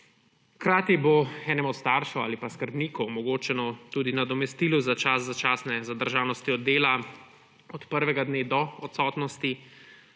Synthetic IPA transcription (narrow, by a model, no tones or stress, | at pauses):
xkɾaːt̪iboɛːnɛmɔt̪st̪aːɾʃɔa̰ːlipaskəɾbniːkɔwmɔɡoːt͡ʃɛnɔt̪uːd̪inad̪ɔmɛst̪iːluzat͡ʃaszat͡ʃaːsnɛzad̪əɾʒaːnɔst̪iɔd̪ːeːla | ɔt̪pəɾʋɛɡad̪neːd̪ɔɔt̪sɔːt̪nɔst̪i